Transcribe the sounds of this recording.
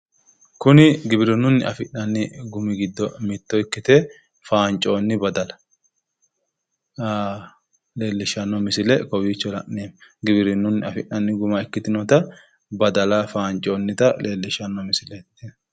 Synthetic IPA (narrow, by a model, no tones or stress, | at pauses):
kʊnɪɡɪbɪɾɪnːʊnːɪɐfɪʔnɐnːɪɡʊmɪɡɪd̪ːɔmɪt̪ːɔɪkːɪt̪ɛ | faːnt͡ʃʼo̞ːnːɪbɐd̪ɐlɐ̥ | aː | le̞ːlːɪʃɐnːɔmɪsɪlɛkɔwiːt͡ʃːɔlɐ̰ʔeːmɡɪbɪɾɪnːʊnːɪɐfɪʔnɐnːɪɡʊmɐɪkːɪt̪ɪnɔt̪ɐ | bɐd̪ɐlɐfaːnt͡ʃʼoːnːɪt̪ɐlʔe̞ːlːɪʃɐnːɔmɪsɪlɛt̪ːɪ